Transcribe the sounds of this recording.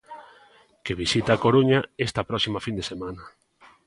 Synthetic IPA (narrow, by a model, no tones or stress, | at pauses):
keβ̞isit̪aːkoɾuɲaest̪apɾɔksimafind̪esemãnɐ